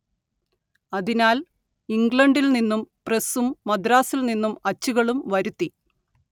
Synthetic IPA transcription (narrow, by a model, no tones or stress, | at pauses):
ɐðinaːl | iŋɡɭɐɳɖilninːumpresumːɐd̪ɾaːsilninːumɐt͡ɕːuɣɐɭumʋɐɾut̪ːi